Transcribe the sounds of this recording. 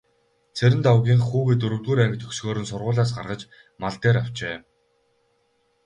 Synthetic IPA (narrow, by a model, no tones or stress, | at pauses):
t͡sʰeɾʲɪ̆nt̪awɣʲiːŋχuːɣĕt̪ɵɾɵ̆wt̪ɣuːɾæŋɡ̆ʲt̪ʰɵksɣoːɾɵ̆nsʊrʁʊːɮaːs̬ɢa̰rʁə̆t͡ɕ | maɮt̪eːɾaw̥t͡ɕeː